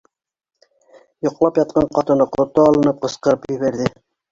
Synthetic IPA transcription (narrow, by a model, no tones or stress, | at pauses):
jŏqlˠɑpjɑt̪̚qɑɴqɑt̪ɤ̆nɤqŏt̪ːoɑlˠɤ̆nɤp̚qɤ̆sqɤ̆ɾɤpjɵ̆βæɾðɘ